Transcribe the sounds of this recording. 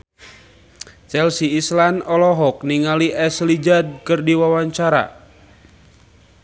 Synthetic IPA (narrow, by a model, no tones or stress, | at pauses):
t͡ʃɛlsiːslanɔlɔɦɔk̚niŋaliʔɛslid͡ʒad̚kɨrdiwawaɲt͡ʃaɾa̰